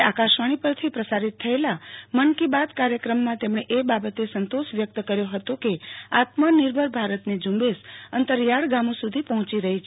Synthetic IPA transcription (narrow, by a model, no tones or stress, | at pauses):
akaʃʋaɽ̃ipəɾt̪ʰipɾəsaɾit̪ʰːəelamənkibad̪kaɾjəkɾəmːãt̪emɳ̃eʔebabət̪esənt̪oʃʋjək̚t̪kəɾjoɦət̪okea̰t̪mənɪɾbʱəɾbʱaɾət̪ned͡ʒũmbesənt̪əɾjaɽɡamõsud̪ʱipəɦɔ̃t͡ʃiɾəɦit͡ʃ